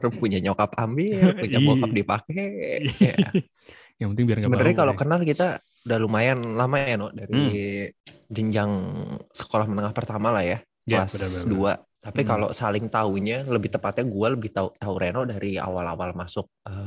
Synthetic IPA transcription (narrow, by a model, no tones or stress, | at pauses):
rpuɲaɲokapambɪruɲamokap̚dipakɛa̰ | jaŋpənt̪ɪŋbisəbənaɾɲakalokənalkit̪a | udalumajanlamajanɔdaɾi | d͡ʒəɲd͡ʒaŋsə̥kolahmənəŋahpərt̪amalahja | kasdua̰t̪apikalo̰salɪŋt̪auɲaləbɪht̪əpat̪̚ɲaɡualəbɪht̪aut̪auɾʔaanɔdaɾia̰wala̰walmasʊk̚ə